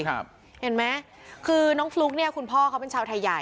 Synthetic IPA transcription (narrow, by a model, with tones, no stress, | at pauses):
p̚ | he˧˩˦nma˦˥ | kʰɯː˧nɔː˦˥ŋfluː˦˥k̚ni˥˩ɐkʰu˧npʰɔː˥˩kʰa˦˥wpe˧nt͡ɕʰaː˧wt̪ʰa˧jːa˨˩